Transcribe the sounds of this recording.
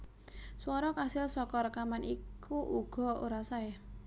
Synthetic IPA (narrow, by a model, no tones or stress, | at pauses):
swɔɾɔkasɪlsɔkɔɾəkamanikuʔuɡ̥ɔ̤o̰ɾasaɪ